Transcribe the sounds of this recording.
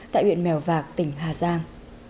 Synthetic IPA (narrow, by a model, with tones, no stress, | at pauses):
t̪a̰ː˧˨jɓwḭ˧˨ənmɛ˨˩wvaː˨˩k̚t̪ï˧˩ŋ̟ɦaː˨˩zaː˧ŋ